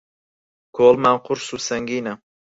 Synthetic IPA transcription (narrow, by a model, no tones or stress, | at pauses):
kʰoːlmaŋqʊɾsusɐŋɡiːna